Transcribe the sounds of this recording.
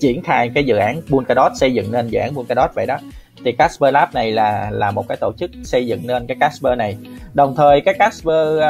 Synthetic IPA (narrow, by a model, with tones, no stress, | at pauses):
t͡ɕi˧˩ənxaː˧jkaː˨˦jzɨ̰˧˨ʔaː˨˦nɓu˧nkaː˧ɗɔ˦˥t̚sə˧jzɨ̰˧˨ŋne˧nzɨ̰˧˨ʔaː˨˦nɓu˧nkaː˧˩ɗɔ˦˥t̚və̰˧˨jɗɔ˨˦ | t̪ʰi˨˩kaː˦˥spəː˧laː˦˥p̚na˨˩jlaː˨˩laː˨˩mo˨˩kaː˨˦jt̪o˧˩t͡ɕɨ˦˥k̚sə˧jzɨ̰˧˨ŋne˧nkaː˨˦jkaː˦˥spəː˧na˨˩jɗə˨˩wŋ͡mt̪ʰəː˨˩jkaː˨˥jkaː˦˥spəː˧